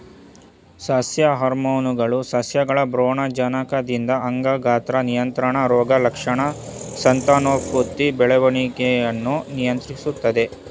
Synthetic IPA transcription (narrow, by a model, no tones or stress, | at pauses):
sɐsjɐɦɐɾmoːnuɡɐɭusɐsjɐɡɐɭɐbɾoːɳɐd͡ʒɐnɐkɐd̪ind̪ɐɐŋɡɐɡaːt̪ɾɐnijɐnt̪ɾɐɳɐɾɔːɡɐlɐkʂɐɳɐsɐnt̪aːnoːkːuɾt̪ːibɛɭɛʋɐɳikejɐnːunijɐnt̪ɾisut̪ːɐd̪e̞